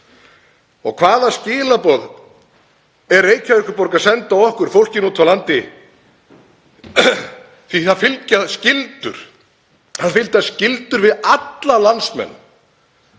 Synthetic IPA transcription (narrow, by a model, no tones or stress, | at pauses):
ɔɣkʰvaːðascɪːlapɔð | ɛɾːeːjcaʏkʏɾpɔɾkaðsɛnt̪aɔhkʏɾ̥fowl̥cɪnuːt̪ʰvalant̪ɪ | θiθaðfɪlcaðscɪlt̪ʏ̰ɾ̥ | θaðfɪlt̪ascɪlt̪ʏɾvɪðat̪lalansmɛ̰nː